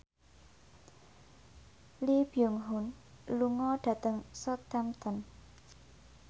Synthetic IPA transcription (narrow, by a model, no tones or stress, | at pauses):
libiuŋɦʊn | luŋɔɖ̥ä̤t̪əŋsɔt̪amt̪ən